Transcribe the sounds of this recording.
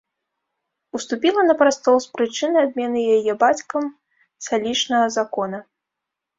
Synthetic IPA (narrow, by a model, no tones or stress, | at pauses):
ust̪upʲilˠɐnɐpɾast̪ɔspɾɨt͡ʂɨnɨad̪̚mʲɛnɨjajɛbat͡sʲkɐm | salʲit͡ʂnɐɣɐzakɔnɐ